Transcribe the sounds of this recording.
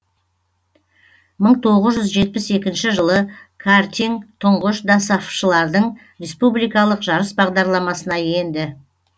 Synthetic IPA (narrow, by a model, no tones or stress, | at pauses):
məɴt̪ʰo̞ʁəzʒʏzʒe̞t̪̚pɪse̞kʲɪnʃɪʒəlˠəkʰart̪iŋt̪ʰʊɴʁəʃd̪asɑfʃəlˠɑɾd̪əɴ | ɾʲe̞spublijkɑlˠəqʒɑɾəsbɑʁd̪ɑɾlˠɑmɑsənɑje̞nd̪ɪ